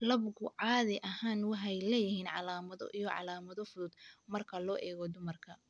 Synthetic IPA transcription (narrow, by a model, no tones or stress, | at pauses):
lɐbɡʊʕɑːðɪʔɐhaːnwɑħɑjlɛːjɪhiːnʕɑlaːmɐðɔ̰ʔijɔʕɑ̰laːmɐðɔfʊðʊd̪mɐrkʰɐlɔːʔɛːɣɔd̪ʊmɐrkʰɐ